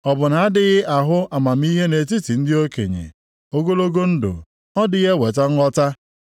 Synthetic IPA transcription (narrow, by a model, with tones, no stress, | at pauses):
ɔ˨bʊ˨na˨a˦dɪ˦ɣɪ˦a˨ɦʊ˦a˨ma˨m̩˦i˦ɦe˦ne˨t̬i˦ti˨n̩˦dɪ˦o˦kḛ˨ɲḛ˨ | o˦ɡo˦lo˦ɡo˦n̩˦dʊ̰˨ | ɔ˦dɪ˦ɣe˦we˨tɔ˦ŋ̩˦ɔ˦ta˦